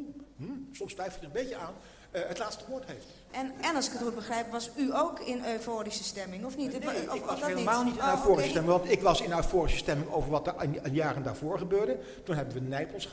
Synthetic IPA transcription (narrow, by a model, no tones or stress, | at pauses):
sɔmstʋɛjfəjəə̃mbejcəaːn | əɦətlaːtstəʋʊːɹtɦejft | ɛnɛnɑlˠsɪkətχut̚bəχrɛjpʋɑsyowkɪnøːfoːɾisəstɛmɪŋɔfnideləmaːlˠnitɪnnœɥtfoːrisəstɛmɪŋʋɑntɪkʋɑsɪnœɥtfoːrisə̥stɛmɪŋo̰wvəɹʋɑtənnjaːrənda̰ːɹvʊːɹχəbøːɹdə | tunɦɛbənʋənɛjpəlˠs